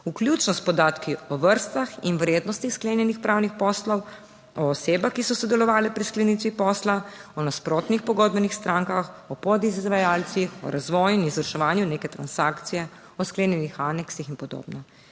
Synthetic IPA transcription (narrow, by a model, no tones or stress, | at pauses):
ukljut͡ʃnɔst̪pɔd̪aːt̪kiɔʋəɾst̪axinwɾeːd̪nɔst̪ixskleːnjɛnixpɾaːwnixpɔslɔw | ɔːseːbaxkisɔsɔd̪ɛlɔʋaːlɛpɾisklɛniːt̪ʋipɔːslaɔnaspɾot̪nixpɔɡɔːd̪bɛnixst̪ɾaːŋkaxɔpɔd̪izzʋajaːlt̪sixɔ̰ɾazʋɔːjinizʋəɾʃɛʋaːnjuneːkɛt̪ɾansakt̪sijɛ | ɔskleːnjɛnixaːnɛksixinpɔd̪o̰bnɔ